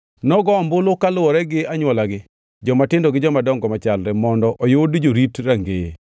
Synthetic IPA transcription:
nɔɡɔmbʊlokalʊwɔɾɛɡɪaɲwɔlaɡɪ | d͡ʒɔmatɪndɔɡɪd͡ʒɔmadɔŋɡɔmat͡ʃalɾɛmɔndɔʔɔjodd͡ʒoɾitɾaŋɡejḛ

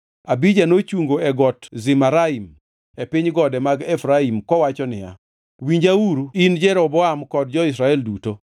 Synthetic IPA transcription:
abid͡ʒanot͡ʃuŋɡoɛɡɔtzɪmaɾaim | epiɲɡɔdɛmaɡɛfɾaimkɔwat͡ʃɔnɪja̰ | wiɲd͡ʒauɾuind͡ʒɛɾɔbɔamkɔd̚d͡ʒɔis̬ɾaɛlduto

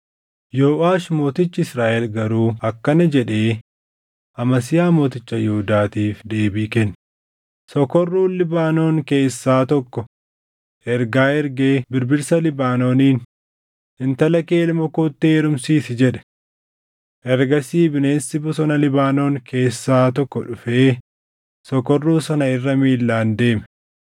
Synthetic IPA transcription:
joːaːʃmo̞ːt̪ɪt͡ʃːɪɪsɾaːʔɛlɡɐɾuːɐkːɐnɐd͡ʒɛᶑe̞ː | ʔɐmɐs̬ɪjaːmo̞ːt̪ɪt͡ʃːɐjɛhʊd̪aːt̪iːfd̪e̞ːbiːkɛnː | sɔkɔrːuːnlɪbaːno̞ːŋke̞ːsːaːt̪ɔkːɔ | ʔɛɾɡaːɛɾɡe̞ːbɪɾbɪɾsɐlɪbaːnoːniːn | ɪnt̪ɐlɐke̞ːlmɐkoːt̪ːeːɾʊmsiːsɪd͡ʒɛᶑɛ̥ | ʔɛɾɡɐsiːbɪne̞ːnsɪbʊsɔnɐlɪbaːno̞ːŋke̞ːsːaːt̪ɔkːɔᶑʊfe̞ː | sɔkɔrːuːsɐnɐɪrːɐmiːlːaːnd̪e̞ːmɛ

